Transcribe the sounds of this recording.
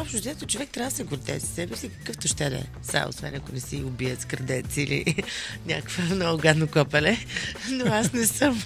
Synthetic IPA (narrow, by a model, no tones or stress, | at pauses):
ɔpʃt̪od̪ɛt̪ot͡ʃovɛk̚t̪ɾʲavəsɛɡʊɾd̪ɛ̰sə̥sɛbɛsikɐ̥kɤft̪oʃt̪ɛd̪ɛ̰ | sa̰o̰svɛ̰nɐkʊnɛsiʊbiət̪skəɾd̪ɛt̪silḭnʲa̰kə̥kvəmnɔɡʊɡad̪nokɔpɐlɛnoasnɛsəm